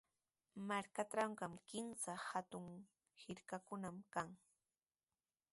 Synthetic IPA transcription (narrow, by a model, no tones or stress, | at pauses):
maɾkaʈ͡ʂɾaɴɢɑmkɪnsahat̪ʊŋ | hɪɾkakʊnamkaŋ